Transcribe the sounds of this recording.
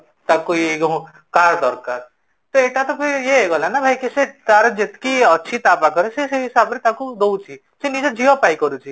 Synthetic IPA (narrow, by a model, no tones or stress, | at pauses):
t̪akoeɡ | kaɾd̪ɔɾkaɾ | t̪oeʈat̪ɔpʰiɾjeeɡɔlanabʱajkiset̪aɾɔd͡ʒet̪kiɔːʃʰit̪apakɔɾeseseɦisabɾet̪akud̪out͡ʃʰi | senid͡ʒɔd͡ʒʱiɦopaikɔɾut͡ʃʰi